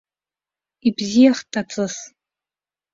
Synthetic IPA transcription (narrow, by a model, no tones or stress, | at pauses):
ibzijaχtʼat͡sʼɨs